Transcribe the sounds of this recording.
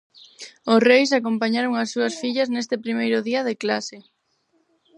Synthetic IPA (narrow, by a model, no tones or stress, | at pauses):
ʊsrejs̬akompaɲaɾoŋasːuɐsfiʎɐznest̪ɪpɾimejɾʊðiɐðɪklasɪ